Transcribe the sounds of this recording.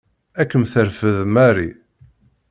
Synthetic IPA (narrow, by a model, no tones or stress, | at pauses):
ækːəmθəɾfəðmæɾi